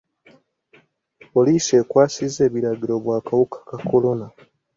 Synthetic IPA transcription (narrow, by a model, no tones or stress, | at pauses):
polise̞ːkwaːsize̞ːβiɾaɡiɾo̞βwaːkawukḁkako̞lo̞na